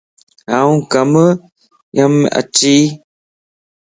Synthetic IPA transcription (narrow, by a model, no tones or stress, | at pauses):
auŋkamə | jama̰t͡ʃiː